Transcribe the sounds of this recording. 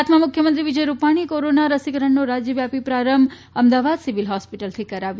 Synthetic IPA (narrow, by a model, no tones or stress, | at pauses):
t̪mãmʊkʰjəmənt̪ɾiʋid͡ʒəjɾupaɽ̃ikoɾonaɾəsikəɾəɳnoɾad͡ʒjəʋjapipɾaɾəm | əmd̪aʋad̪siʋilɦɔspiʈəlt̪ʰikəɾaʋj